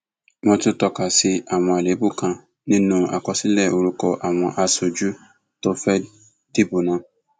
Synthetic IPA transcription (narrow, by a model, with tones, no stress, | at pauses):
wɔ̃˧tu˦tɔ˧ka˨si˦a˨w̃ɔ̃˧e˨le˨˦bu˦˨kã˧ | nĩ˦nũ˦a̰˨kɔ˧si˦lɛ˦˨o˧ɾu˦kɔ˧ʔa˨w̃ɔ̃˧˦ʔa˧so˨d͡ʒu˦ | to˦fɛ˦ | di˦bu˨nã˨˦